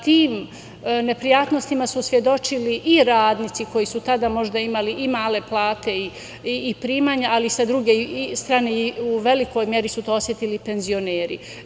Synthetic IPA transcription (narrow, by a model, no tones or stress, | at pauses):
t̪iːm | ne̞pɾijaːt̪no̞st̪imasusʋje̞d̪o̞t͡ʃiliʔiɾaːd̪nit̪siko̞jisut̪ad̪amo̞ʒd̪aimaliʔimaːle̞plˠaːt̪e̞i | iːpɾiːmaːɲaʔalisad̪ɾuɡe̞st̪ɾaːneiuʋe̞liko̞jmje̞ɾisut̪oosje̞t̪ilipe̞nzio̞neːɾḭ